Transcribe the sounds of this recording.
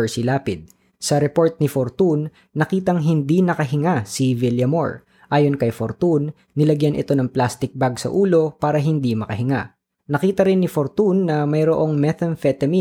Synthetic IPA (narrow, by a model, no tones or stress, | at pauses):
ɹsɪlaːpɪd̪̚ | sɐɾɛpo̞ɹt̪̚nɪfoɾt̪unː | ɐkiːt̪ɐŋɦɪnd̪inɐkɐɦɪŋasivɪljɐmo̰ɹ | ʔaːjonkɐjfoɾt̪unː | ɪlɐɡjanʔɪ̰t̪o̞nɐŋplast̪ɪk̚baɡsɐ̰ʔuːlo̞paːɾɐɦɪnd̪imɐkɐhɪŋa̰ | nɐkiːt̪ɐɾɪnːɪfoɾt̪unːɐmɐjɾoʔo̞ŋmɛt̪ɐnfɛt̪ɐmi